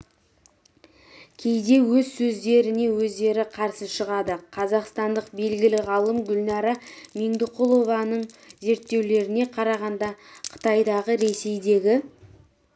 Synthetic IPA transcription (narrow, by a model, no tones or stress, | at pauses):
kʲʰe̞jd̪e̞wɵzsɵzd̪e̞ɾɪne̞wɵzd̪e̞ɾɪqʰɑɾsəʃəʁɑd̪əqʰɑzɑqst̪ɑnd̪əqbe̞lɡʲɪlɪʁɑlˠəmɡʲʏlnɑɾɑmeŋd̪ʊqulˠo̞vɑnəɴze̞ɾt̪ːe̞wle̞ɾɪne̞qʰɑɾɑʁɑnd̪ɑqʰə̥t̪ɑjd̪ɑʁəɾe̞se̞jd̪e̞ɡʲɪ